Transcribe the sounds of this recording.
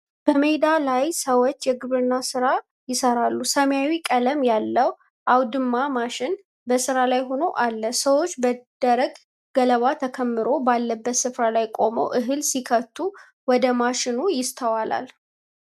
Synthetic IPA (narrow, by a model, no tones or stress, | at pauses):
b̥əmed̪alajsəwot͡ʃːjɛɡɨβɨɾɨnːasɨɾa | jɪsəɾalːusəmjawikʼələmjalːəw | ʔawd̪ɨmːamaʃɪn | bəsɨɾalajɦo̞no̞ʔalːəsəwot͡ʃːbəd̪̥əɾəɡ | ɡələβat̪ʰəkʰəmːɨɾo̞balːəbːət̪sɨfɾalajkʼo̞mo̰wʔɨɦɨlsikʰət̪ʰːu | wɔd̪əmaʃɪnujɪst̪ʰəwala̰l